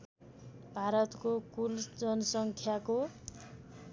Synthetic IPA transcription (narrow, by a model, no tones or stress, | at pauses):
bʱaɾʌt̪kokuld͡zʌnʌsʌŋkʰjako